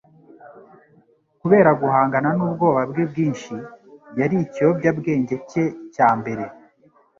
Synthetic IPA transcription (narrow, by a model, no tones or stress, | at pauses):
kuβe̞ːɾaɡuhaːŋɡananuːbɡo̞ːβabɡeb̚ɡiːnʃijaɾiciobɟabɡe̞ːɲɟe̞ce̞caːmbe̞ɾe̞